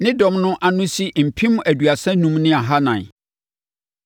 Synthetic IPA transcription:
nɪ̃˦dɔ̃˨mnʊ̃˦ʔa˨nʊ̃˦si˦m̩˨pʰĩ˦m˦æ˨dɥa˨sɛ̃˦nũ˦mnɪ̃˦a˨ɦa˦nã̰˨

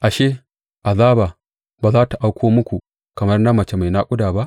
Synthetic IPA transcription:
ʔa˨ʃeː˦ | ʔa˨zaː˦baː˨ | baː˨zaː˦ta˨ʔa˦wkʷoː˦mʊ˦kʷu˨ | kɐ˨mɐ˦rna˦mɐ˨t͡ʃe˦ma˨jna˦kʷʼʊ˦daː˨ba˦ʔ

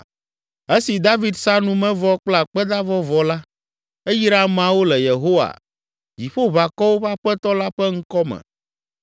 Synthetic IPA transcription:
e˦si˨d̪a˦vi˦d̪sa˦nũ˦mɛ̃˦vɔ˦k͡pla˨k͡pɛ˦d̪a˦vɔ˦vɔ˦la˦ | e˦ji˦ɾa˦mã˨wo˦lɛ˨je˨ɦo˦wa̰˨ | d͡ʑi˨ɸo˦βa˨kɔ˦wo˦ɸa˦ɸɛ˦t̪ɔ˦la˦ɸɛ˦ŋ̩˦kɔ˦mɛ̰̃˨

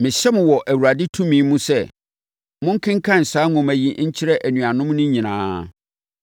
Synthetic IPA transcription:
mɪ̃˨ɕɛ˦mɪ̃˨wɔ˨ʔæ˨wu˨ɾa˨dɪ˦tʰũ˦mĩː˨˦mũ˦sɛ˦˨ | mʊ̃˦ŋ̩˦kʰɪ̃˦ŋ̩˦kʰã˦n̩˨saː˦ŋʊ̃˨mæ˨ji˦ɲ̩˦t͡ɕʰɪ˦ɾɛ˦ʔæ˨nũ˨a˨nʊ̃˦mnʊ̃˦ɲĩ˨nãː˦˨

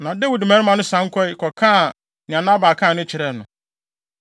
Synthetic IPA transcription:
nã˨de˦wi˨dmæ̃ː˨˦nɪ̃˦mã˨nʊ̃˦sã˨˦ŋ̩˦kʰɔ˦i˦kʰɔ˨kʰãː˦˨ | nɪ̃˨ã˨nã˦baː˨kʰã˦˨nɪ̃˦t͡ɕʰɪ˨ɾɛ˨nʊ̃˨

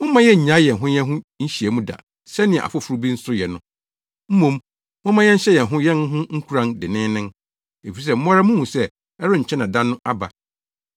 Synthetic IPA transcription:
mʊ̃˦mã˦jɛ˦ɲ̩˨ɲã˨˦jɛ˨ɦʊ̃˦jɛ̃˦ɦʊ̃˦ɲ̩˦ɕi˨e˨mũ˦da̰˨ | sɛ˦nɪ̃˨a̰˨fʊ˦fu˨ɾu˦bi˦n̩˦sʊ˦jɛ˨nʊ̃˦ | m̩˦mõ˨m | mʊ̃˦mã˦jɛ̃˦ɲ̩˦ɕɛ˦jɛ˨nɦʊ̃˦jɛ̃˦n˦ɦʊ̃˦ŋ̩˦kʰu˦ɾã˦ndɪ˨nɪ̃˦nɪ̃˦n | e˨fi˨ɾi˨s̬ɛ˦m̩˦ɔ˦ɾa˦mũ˦mũ˨sɛ˦ | ɛ˦ɾʊ̃˦ɲ̩˨t͡ɕʰɛ̃˦nã˨dã˦nːʊ̃˦ʔa˦ba˨

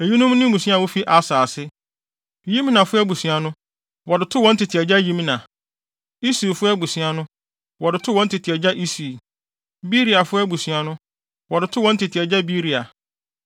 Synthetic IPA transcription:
e˨ji˦nʊ̃˦m˦nʊ̃˦mũ˨sɥa˦˨wo˦fi˦ʔa˨saː˨sɪ˦˨ | jĩ˦m˦nã˨fʊ˦ɛ˦bu˨sɥa˨nʊ̃˦ | wɔ˨dɪ˨tʰʊ˦wɔ̃˦n̩˦tʰɪ˨tʰi˨ɛ˨d͡ʑa˦jĩ˦m˦nã˨ | i˦si˨fʊ˦ɛ˦bu˨sɥa˨nʊ̃˦ | wɔ˨dɪ˨tʰʊ˦wɔ̃˦n̩˦tʰɪ˨tʰi˨ɛ˨d͡ʑa˦ʔi˦si˨ | bi˦ɾi˨a˨fʊ˦ɛ˦bu˨si˨a˨nʊ̃˦ | wɔ˨dɪ˨tʰʊ˦wɔ̃˨˦n̩˦tʰɪ˨tʰi˨ɛ˨d͡ʑa˦bi˦ɾi˨a˨

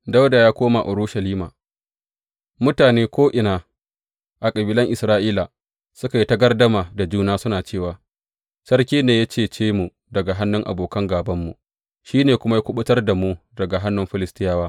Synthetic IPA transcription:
da˦wda˨jaː˦kʷoː˦ma˨ʔʊ˨ɾuː˦ʃɐ˨liː˦maː˨ | mʊ˦taː˨neː˦kʷoː˦ʔɪ˨naː˨ | ʔa˨kʼɐ˨biː˨lɐ˦ŋʔɪ˨sɾaː˦ʔiː˦la˨ | sʊ˦ka˨ji˦tɐ˦ɡɐ˦rdɐ˦maː˨da˨d͡ʒuː˦naː˦sʊ˦naː˨t͡ʃeː˦˨waː˨ | sɐ˦rkʲiː˦neː˨ja˦t͡ʃeː˦˨t͡ʃeː˦mu˨ | dɐ˨ɡa˨ɦa˦nːʊ˦ŋʔa̰˨boː˨kɐ˦ŋɡaː˨bɐ˦mːu˨ | ʃiː˦neː˨kʷʊ˦ma˦ja˦kʷʊ˦ɓʊ˦tɐ˦rda˨mu˦ | dɐ˨ɡa˨ɦa˦nːʊ˦mɸɪ˦lɪ˦stɪ˦jaː˦waː˦

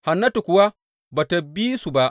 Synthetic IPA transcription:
ha˨nːɐ˦tu˨kʷʊ˨wa˦ | baː˨ta˨bi˦su˨ba˦ʔ

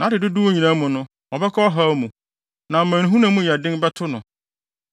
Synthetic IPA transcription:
nã˨˦dɪ˨dʊ˦du˦o˦ɲĩ˨nã˦mʊ̃˨nʊ̃˦ | ɔ˨bɛ˦kʰɔ˦ɔ˦ɦa˦mũ˨ | nã˨mã˨ñ˨ɦũ˦nã˨˦mũ˦ja˨dɪ̃˦nbɛ˦tʰʊ˦nʊ̰̃˨

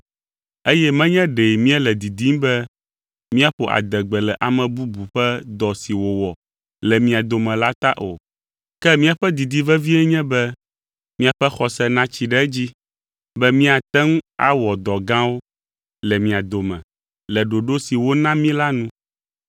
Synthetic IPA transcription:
e˦jɛ˦mɛ̃˦ɲɛ̃˦ɖe˨mĩ˦ɛ˦lɛ˨d̪i˨d̪i˦m˦bɛ˦ | mĩ˦a˦ɸo˨ʔa̰˨d̪ɛ˨ɡ͡bɛ˨lɛ˨ʔa˨mɛ̃˨bu˦bu˨ɸɛ˦d̪ɔ˨si˨wo˨wɔ˨ | lɛ˨mĩ˨a˨d̪o˨mɛ̃˨la˦t̪a˦ʔo̰˨ | kɛ˦mĩ˦a˨ɸɛ˦d̪i˨d̪i˦vɛ˦vi˦ɛ˦ɲɛ̃˦bɛ˦ | mĩ˦a˨ɸɛ˦xɔ˨sɛ˦nã˦t͡ɕi˨ɖɛ˦d͡ʑi˦ | bɛ˦mĩ˦a˨t̪ɛ˦ŋ˦a̰˦wɔ˨d̪ɔ˨ɡã˦wo˦ | lɛ˨mĩ˨a˨d̪o˨mɛ̰̃˨ | lɛ˨ɖo˨ɖo˦si˨wo˦nã˦mĩ˦la˦nũ˦

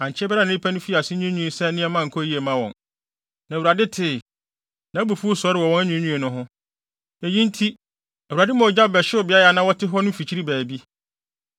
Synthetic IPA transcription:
ã˨ɲ˨t͡ɕʰɪ˦bɛ˦ɾa˦ñ˨˦i˦pʰa˦nʊ̃˦fi˦˨a˨sɪ˦ɲũ˦ɲũ˦˨sɛ˦nɪ̃˦ɛ˦mã˦˨ŋ̩˨kʰɔ˦ji˦e˨mã˦wɔ̃˨n | nã˨wu˨ɾa˨dɪ˦tʰɪ˦˨ | nã˨˦bu˨fu˦o˦sɔ˦ɾɪ˨wɔ˨wɔ̃˦næ˦ɲᶣũ˦ɲũ˦e˨nʊ̃˦ɦʊ̃˦ | ɛ˨jĩ˦n̩˦tʰi˦ | æ˨a˨dɪ˦mã˨ɔ˨d͡ʑa˦˨bɛ˨ɕɪ˦ɔ˨bɪ˨a˦ja˨nã˦wɔ˦tʰɪ˦ɦɔ˦nʊ̃˦fi˨t͡ɕʰi˦ɾi˦bæː˨bi˦

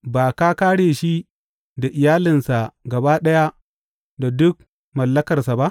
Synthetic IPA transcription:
baː˨ka˦kaː˦ɽeː˨ʃi˦ | da˨ʔɪ˨jaː˦lɪ˨nsa˨ɡɐ˨baː˦ɗɐ˦ja˦ | da˨dʊ˦k̚ | mɐ˨lːɐ˦kɐ˨rsa˨ba˦ʔ

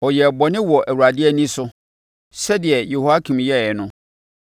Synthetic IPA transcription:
ɔ˨jɛ˨bɔ˨nɪ̃˦wɔ˨ʔæ˨wu˨ɾa˨dɪ˦ɛ˦nĩ˦sʊ˦ | sɛ˦dɪ˨ɛ˨jo˨hu˦a˦kʰĩ˨mjɛ˦˨ɛ˨nʊ̃˦

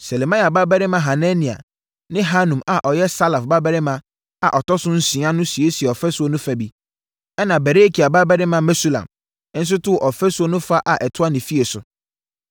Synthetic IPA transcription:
sɛ˨le˨mã˦ja˨ba˦bɛ˦ɾɪ˦mã˨˦ɦa˨nɛ̃˦nĩ˨a̰˨ | nɪ̃˦ɦa˦nũ˨ma˨ʔɔ˨jɛ˦sa˦la˨fba˦bɛ˦ɾɪ˦mã˦ | a˨ʔɔ˨tɔ˦sʊ̃˦n̩˦sĩ˨˦ã˦nʊ̃˦si˨e˦si˨ɛ˨ɔ˨fɛ˦sʊ˦o˦nʊ̃˦fa˨bi˦ | ɛ˦nã˨bɛ˨ɾe˦kʰi˨a˨ba˦bɛ˦ɾɪ˦mã˨mɛ˦su˦lã̰˨m˦ | n̩˦s̬ʊ˦tʊ˦˨ʔɔ˨fɛ˦sʊ˦o˦nʊ̃˦fa˦ʔa˨ʔɛ˨tʰʊ˦a˦nĩ˨fi˦e˨sʊ˨

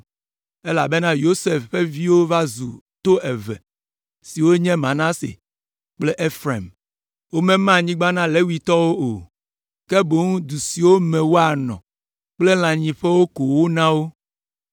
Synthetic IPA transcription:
e˦la˨be˦nã˦jo˦se˨fɸe˦vi˦wo˦va˦zu˨ | t̪o˦e˨vɛ̰˨ | si˨wo˦ɲɛ̃˦mã˨nã˦sḛ˨ | k͡ple˦ʔe˦fɾe˨m | wo˦mɛ̃˦mã˦˨ɲĩ˦ɡ͡ba˦nã˦le˨˦wi˨t̪ɔ˦wo˦o˨ | ke˦bo˦ŋũ˦d̪u˨si˨wo˦mɛ̃˨wo˦a˨nɔ̰̃˨ | k͡ple˦l̃ã˨ɲĩ˨ɸɛ˦wo˦ko˨wo˦nã˦wo˦

